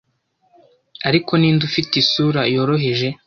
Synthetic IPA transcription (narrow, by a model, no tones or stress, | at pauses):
aɾiko̞niːndufitisuːɾajo̞ːɾo̞ɦe̞ʒe̞